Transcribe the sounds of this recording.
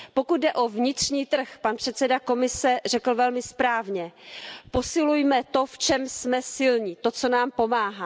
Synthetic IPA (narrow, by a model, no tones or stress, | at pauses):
po̞kut̪̚dɛʔo̞vɲɪt̪r̝̥ɲiːt̪r̩xpanpr̝̥ɛt̪sɛdako̞mɪsɛr̝ɛkl̩vɛlmɪspɾaːvɲɛpo̞sɪlujmɛt̪o̞ft͡ʃɛmsmɛsɪlɲit̪o̞t͡so̞naːmpo̞maːɦaː